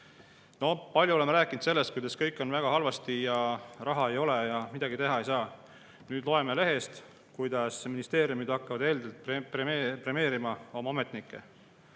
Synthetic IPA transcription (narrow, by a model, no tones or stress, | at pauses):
no̞pɑlʲjuoemeɾæːkːˑind̪se̞lːest̪̚kujd̪ɑskɤ̞jkːˑo̞nvæɡ̥ɑɦɑlvɑst̪ijɑrɑɦɑe̞jo̞le̞jɑmid̪̥ɑɡit̪e̞ɦɑe̞jsɑː | nyːd̪lo̞e̞mele̞ɦe̞st̪ | kujd̪ɑsminist̪e̞ːɾjumid̪̥ɑkːɑvɑd̪e̞ːld̪elt̪̚peepre̞me̞ːɾimɑo̞mɑome̞t̪ˑnikːˑe̞̰